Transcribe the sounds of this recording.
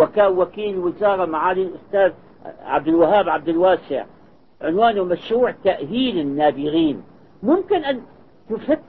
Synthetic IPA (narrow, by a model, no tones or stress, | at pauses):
wakaːwakiːlwɪzɑːɾˤɑmaʕaːlilʔʊst̪aːð | ʕa̰b̚d̪ɪlwaɦaːbʕab̚d̪ɪlwaːsɪ̰ʕ | ʕɪnwaːnʊmaʃɾuːʕt̪ːaʔhiːlɪnːaːbɪɣiːn | mʊmkɪnʔan | t̪ʊfat̪ː